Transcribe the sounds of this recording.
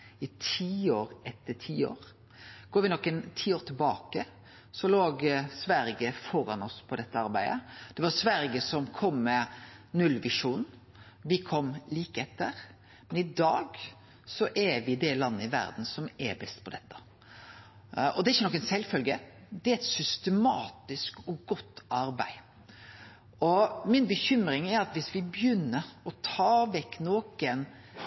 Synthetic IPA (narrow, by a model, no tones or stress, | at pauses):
ɪt̪ʰiːoːɾɛt̪ːəʈʰiːo̰ːɾ | ɡ̥oːɾʋɪnɔkːənt̪ʰiːoːɾt̪ʰɪlbɑːkə | sɔloːɡsʋæɾɡəfɔɾɑnɔspʰɔd̪ɛt̪ːəɑɾbæɪd̪ə̰d̪̥ɛʋɑɾsʋæɾɡəsɔmkʰɔmːɛnʉlːʋɪʂuːnn̩ | ʋɪkʰɔmːliːkəɛt̪ːəɾ | mɛnɪd̪ɑːɡ | sɔʔɛʋɪd̪ɛlɑnːəɪʋæ̰ɾd̪n̩sɔmɛ̰ɾbɛst̪pʰɔd̪ɛt̪ːɑ̥ | ɔd̪ɛɾɪçənɔkːɛnsɛlːfœlɡəd̪ɛæɾɛt̪sʏst̪əmɑːt̪ɪskɔɡɔt̪ːʔɑɾbæ̰ɪ | ʔɔmɪnbəçʏmɾɪŋɛɾɑt̪ʋɪsʋɪbjʏnːəɾɔt̪ʰɑːʋɛkːnoːkən